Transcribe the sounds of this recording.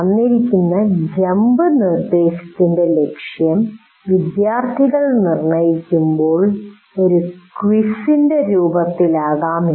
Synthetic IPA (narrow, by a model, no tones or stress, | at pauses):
ɐnːiɾikʲːunːɐd͡ʑɐmbɨnird̪e̞ːɕɐ̥t̪ːinde̞le̞kʂjɐm | ʋid̪jaːrt̪ʰiɣɐɭnirɳɐjikʲːumbo̞ːɭ | o̞ɾukʋisinde̞ɾuːbɐt̪ːilaːɣaːmi